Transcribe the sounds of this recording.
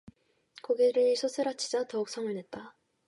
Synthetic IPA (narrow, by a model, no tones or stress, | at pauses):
koɡeɾɯsʰos͈ʰɯɾat͡ɕʰi̥d͡ʑatʌuk̚s͈ʰʌŋɯnɦet̚t͈a